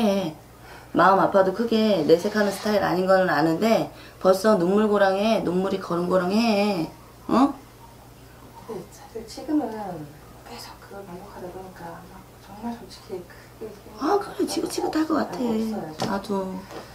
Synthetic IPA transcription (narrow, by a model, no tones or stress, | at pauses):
je | maɯmapʰadokʰɯɡe̞ne̞sʰe̞kʰanɯnsʰɯ̥tʰaiɾa̰ɲinɡʌnɯnanɯnde̞ | pʌɭs͈ʌnummuɭɡoɾaŋe̞nomːuɾikʌɾɯnɡoɾaŋe | ʌ | et͡ɕaɕit͡ɕʰiɡɯmɯn | kesʰokʰɯɡpaŋbokʰadedoɲik͈a | t͡ɕʌŋmaɭt͡ɕʌt͡ɕʰi̥kʰekʰɯ | akɯɾet͡ɕiɡɯt͡ɕʰiɡɯtʰaɭɡʌk͈atʰe̞ad͡ʑo